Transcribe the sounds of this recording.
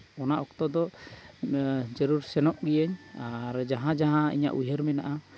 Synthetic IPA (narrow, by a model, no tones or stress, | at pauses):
ɔnaʔɔkt̪ɔd̪ɔ | d͡ʒəɾuɾsɛnɔʔɡijəɲaɾd͡ʒaɦãd͡ʒaɦãḭɲa̰ʔujɦəɾmɛnaʔa